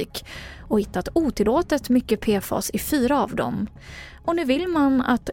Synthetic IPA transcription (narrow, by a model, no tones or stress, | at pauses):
kɔhɪt̪ːat̪uːt̪ʰɪloːt̪ət̪mʏkːəpʰeːfɑ̰ːsɪfyːɾaavd̪ɔ̰m | ɔnʉ̟ːvɪlmana̰t̪